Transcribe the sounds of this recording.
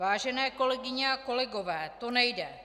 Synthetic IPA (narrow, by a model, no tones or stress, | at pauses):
aːʒɛnɛːko̞lɛɡɪɲɛako̞lɛɡovɛːt̪onɛjdɛ